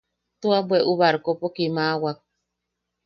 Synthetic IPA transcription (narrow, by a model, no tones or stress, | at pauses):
t̪uabweʔuβaɾkopokimawak̚